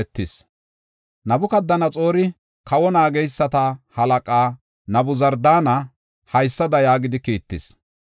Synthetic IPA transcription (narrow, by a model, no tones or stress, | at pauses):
ɛt̪ːɪs | nɐbʊkɐd̪ːɐnɐt͡sʼo̞ːɾɪ | kɐwɔnaːɡɛjsːɐt̪ɐhɐlɐkʼaː | nɐbʊzɐɾd̪aːnɐ | hɐjsːɐd̪ɐjaːɡɪd̪ɪkiːt̪ːɪs